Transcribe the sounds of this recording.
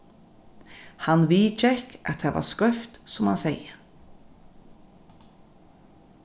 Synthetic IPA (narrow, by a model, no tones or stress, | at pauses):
hanʋiːt͡ʃɛkʔat̪̚hɛːʋa̰skœft̪sɔmhanseɪə